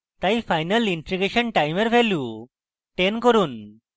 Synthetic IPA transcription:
t̪aifajnəliɳʈɾiɡeɕənʈajmeɾʋʱɛlju | ʈenkɔɾuːn

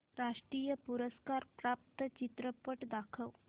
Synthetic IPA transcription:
ɾaʂʈɾijəpuɾəskaɾpɾap̚t̪ət͡ɕit̪ɾəpəʈd̪akʰəʋ

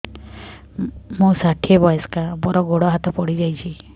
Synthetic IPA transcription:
mũsaʈʰiebɔjɔskabɔɾɔɡoɽɔɦat̪ɔpɔɽid͡ʒajt͡ʃʰi

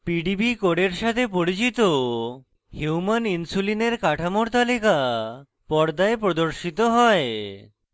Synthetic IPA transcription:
piɖibikoɽeɾʃat̪ʰepoɽit͡ɕit̪o | huwmaninsulineɾkaʈʰamoɾt̪alika | pɔɽd̪aepɾod̪oɾʃit̪oɦɔe

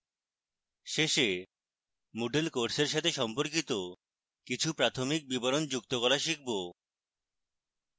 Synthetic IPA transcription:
ʃeʃe | moɖelkoɾseɾʃ̬at̪ʰeʃɔmpoɾk̬it̪o | kit͡ɕʰupɾat̪ʰomik̚biboɾond͡ʑukt̪okɔlaʃik̚bo

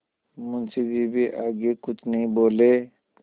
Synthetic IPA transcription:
mʊnsebʱibʱiʔaːɡekʊt͡ʃʰnɐɦĩboːleː

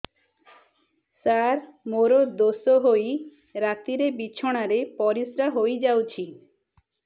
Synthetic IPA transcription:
saɾmoɾod̪osoɦoj | ɾat̪iɾebit͡ɕʰoɽ̃aɾepɔɾisɾaɦojd͡ʒawt͡ʃʰi

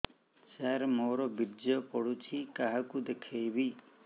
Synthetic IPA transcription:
saɾmoɾɔbiɾd͡ʒjɔpɔɽut͡ʃʰikaɦakud̪ekʰajbi

